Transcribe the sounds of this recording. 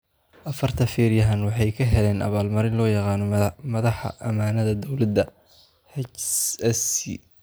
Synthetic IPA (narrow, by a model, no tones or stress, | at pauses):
ʔɐfɐrt̪ʰɐfɛːɾjɐɦɐnwɑħɑjkʰɐɦɛlɛːnʔɐ̰βaːlmɐɾɪnlɔːjɑqɑːnɔmɐðɑħɑ̰ʔɐmaːnɐðɐd̪ɔwlɐd̪ːɐ | hɛt͡ʃɛsḭ